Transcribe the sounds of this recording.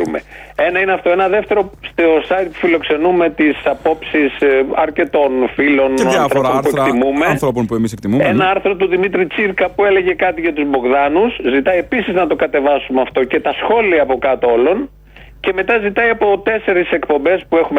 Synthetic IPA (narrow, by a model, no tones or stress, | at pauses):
mḛe̞nɐineɐft̪o̞e̞nɐðe̞ft̪e̞ɾo̞st̪eosɐjt̪̚pu̥filo̞kse̞nume̞t̪isɐpo̞psisɐɾce̞t̪o̞nfilo̞nɐθɾoopuek̪imumenθɾoponpuemisekt̪imuenɐɐɾθɾo̞t̪uðimit̪ɾit͡siɾkɐpue̞le̞ʝe̞kɐt̪iʝɐt̪uzbo̞ɣðɐnuszit̪ɐjie̞pisiznɐt̪o̞kɐt̪e̞vɐsumeɐft̪o̞ce̞t̪ɐsxo̞liɐːpo̞kɐt̪oolo̞n | ce̞me̞t̪ɐzit̪ɐiɐpo̞t̪e̞se̞ɾisekpo̞mbe̞spue̞xume